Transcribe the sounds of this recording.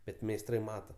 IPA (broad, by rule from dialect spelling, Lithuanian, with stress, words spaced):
ˈbʲɛt mʲɛɪsˈtrɐɪ ˈmɑːtɐ